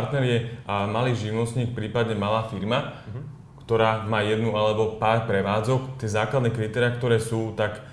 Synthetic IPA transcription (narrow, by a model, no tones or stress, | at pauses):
ɾt̪nɛɾɪjɛʔamaliːʒiʋʊnɔst̪ɲiːk̚pɾiːpad̪ɲɛmalaːfiɾma | kt̪ɔɾaːmaːjɛd̪nualɛbɔpaːɾpɾɛʋaːd͡zɔkt̪ɪɛzaːklad̪nɛːkɾit̪ɛːɾɪakt̪ɔɾɛːsuːt̪ak